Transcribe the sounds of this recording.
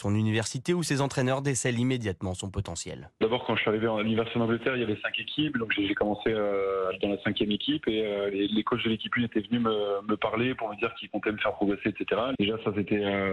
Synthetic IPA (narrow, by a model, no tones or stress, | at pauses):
sɔ̃nynivɛʁsit̪eusezɑ̃t̪χɛnœʁd̪esɛlimed̪jat̪mɑ̃sɔ̃pɔt̪ɑ̃sjɛ̰l | d̪abɔʁkɑ̃ʒəsɥiaʁiveɑ̃alynivɛʁsi̥t̪ed̪nɑ̃ɡlət̪ɛʁiljavɛsɛ̃kekʲʰipd̪ɔ̃kʒeʒekɔmɑ̃seøald̪ɑ̃lasɛ̃kʲjɛmekʲipeølelekot͡ʃd̪əlekʲipynet̪ɛvənyməməpaʁlepuʁməd̪iʁkilkɔ̃t̪ɛməfɛʁpχɔɡʁeseːt̪set̪eʁad̪eʒasas̬et̪ɛø